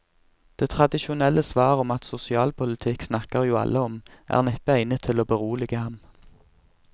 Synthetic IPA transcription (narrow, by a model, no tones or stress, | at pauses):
d̪̥eːt̪ʰʁɑd̪ɪʃʊnɛləsʋɑːʁɔmɑt̪sʊsɪɑːlpʰʊlɪt̪ʰɪksnɑkəʁjuːɑ̰lʔəɔmʔæ̰ːʁnɛpəæɪnət̪ʰɪloːbəʁuːlɪɡəhɑm